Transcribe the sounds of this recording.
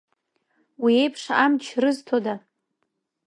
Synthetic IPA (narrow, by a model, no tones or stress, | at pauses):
wie̞jpʰʂamt͡ʃʰrɨztʰoda